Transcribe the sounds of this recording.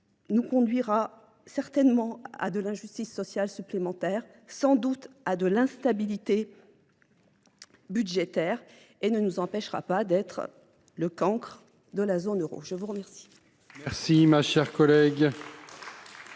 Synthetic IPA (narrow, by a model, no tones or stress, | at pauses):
nukɔ̃d̪ɥiʁa | sɛʁt̪ɛnmɑ̃a̰d̪əlɛ̃ʒyst̪isːɔsjalsyplemɑ̃t̪ɛːʁ | sɑ̃d̪ut̪ad̪əlɛ̃st̪abilit̪e | byd̪ʒet̪ɛʁ | enənuzɑ̃pɛʃʁa̰pad̪ɛt̪χ | ləkɑ̃kχ | d̪əlazonøʁo̰ʒəvuʁəmɛʁsi̥ | mɛʁsimaʃɛʁkɔlɛɡ